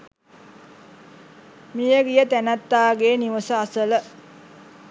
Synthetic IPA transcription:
mijəɡijət̪ænat̪ːaːɡeːniʋəsəasələ

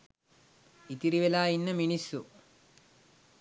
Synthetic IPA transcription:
it̪iɾiʋelaːjinːɐmiɳisːu

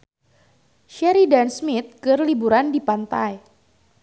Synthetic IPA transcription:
ʃɛɾidansmit̪̚kɨrlibuɾandipant̪aj

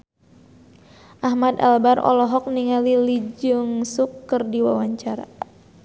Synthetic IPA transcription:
ʔaɦmad̪a̰lbarɔ̰lɔɦɔk̚niŋalilid͡ʒɨŋsukːərdiwawaɲt͡ʃaɾa̰

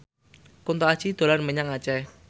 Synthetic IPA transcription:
kunt̪ɔḁt͡ʃid̪̥o̤larməɲaŋat͡ʃɛ

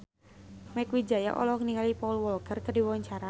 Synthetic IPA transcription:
mɛkwid͡ʒaja̰ʔɔ̰lɔhŋəniŋalipɔulwɔlkərkədiwɔwaɲt͡ʃaɾa

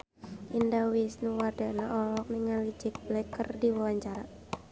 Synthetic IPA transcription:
ʔindawisnuwardanaʔɔlɔk̚niŋalid͡ʒɪk̚blɛkərdiwawaɲt͡ʃaɾa

